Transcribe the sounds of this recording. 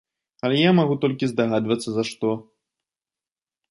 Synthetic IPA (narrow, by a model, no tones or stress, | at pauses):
ɐlʲɛjamaɣut̪ɔlʲkʲizd̪aɣad̪vɐt̪sːɐzɐʂt̪ɔ